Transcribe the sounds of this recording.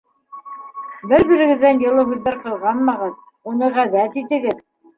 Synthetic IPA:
bɘɾbiɾɘ̆ɡɘ̆ðːænjɤ̆lˠɤɦʉðːæɾqɤ̆lˠʁɑnmɑʁɤð | unɤʁæðæt̪it̪ɘ̆ɡɘð

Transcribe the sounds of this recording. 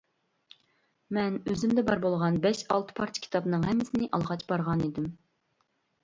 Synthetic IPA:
mɛnøzɪmd̪ɛbɑɾbolˠʁɑnbɛʃɑlˠt̪ʰɨ̥pʰɑɾt̪ʰʲi̥kʲʰi̥t̪ʰɑbnɨŋɦɛmːɪsɪnɪʔɑlˠʁɑt͡ʃbɑɾʁɑnid̪ɪm

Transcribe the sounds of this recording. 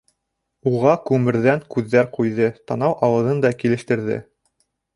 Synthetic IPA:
uʁɑkʉmɘ̆ɾðæŋkʉðːæɾqujðɤt̪ɑnɑwʔɑwɤ̆ðɤnd̪ɑkilɘ̆ʃt̪ɘ̆ɾðɘ̰

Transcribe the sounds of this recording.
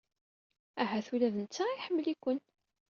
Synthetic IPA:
æɦæθwilæðənt͡sːaiħəmːəlikʷːən

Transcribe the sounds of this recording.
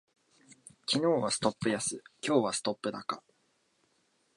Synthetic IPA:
kʲino̞ːβasɨ̥t̪o̞pːɯ̟jasɨkʲo̞ːβasɨ̥t̪o̞pːɯ̟d̪aka

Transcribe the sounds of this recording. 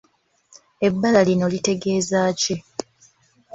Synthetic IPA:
e̞bːalalino̞lite̞ɡe̞ːzaːce

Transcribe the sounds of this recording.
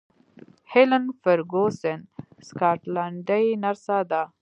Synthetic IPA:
helanfəɾɡosenskɑːʈlaɳɖajnaɾsad̪a

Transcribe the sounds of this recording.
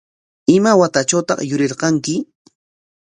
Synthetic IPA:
ɪmawat̪at͡ʃawt̪ɑ̰χjʊɾɪɾqɑŋkɪ

